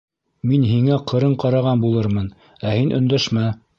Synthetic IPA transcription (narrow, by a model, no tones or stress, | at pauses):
minɦiŋæqʰɤ̆ɾɤɴqɑɾɑʁɑnbulˠɤɾmɤn | æhinʔɵ̆nd̪æʃmæ